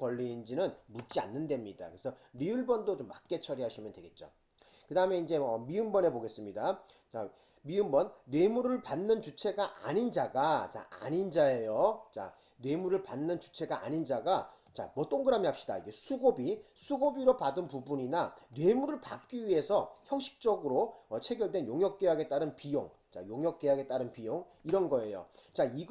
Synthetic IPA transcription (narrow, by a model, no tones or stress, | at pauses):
kwʌʎːind͡ʑinɯnmutt͡ɕ͈ia̰nːɯnde̞mɲida̰kɯɾesʰʌɾiɯɭbʌndot͡ɕomːak͈̚e̞t͡ɕʰʌɾiɦaɕʰimjʌndweɡe̞t̚t͡ɕ͈o̰ | kɯdaɯme̞ind͡ʑe̞ʌmiɯmbʌne̞poɡe̞s͈ɯmɲidat͡ɕa | miɯmbʌnːe̞muɾɯɭpanːɯnt͡ɕut͡ɕʰe̞ɡaʔa̰ɲind͡ʑaɡat͡ɕa̰a̰ɲind͡ʑae̞jot͡ɕa̰ | ne̞muɾɯɭpanːɯnt͡ɕu̥t͡ɕʰe̞ɡaa̰ɲind͡ʑaɡa | t͡ɕa̰mʌt͈oŋɡɯɾamiɦap̚ɕ͈ida̰iɡe̞sʰuɡobisʰuɡobiɾopadɯnpubuɲinane̞muɾɯɭpak̚k͈iɥie̞sʰʌçjʌŋɕ͈ʰi̥k̚t͡ɕ͈ʌɡɯɾoʌt͡ɕʰe̞ɡjʌɭdwe̞njoŋjʌk͈̚e̞ɦaɡe̞t͈aɾɯnpijoŋ | t͡ɕa̰joŋjʌk͈̚e̞ɦaɡe̞t͈aɾɯnpijoŋ | iɾʌnɡʌe̞jo̰t͡ɕaiɡ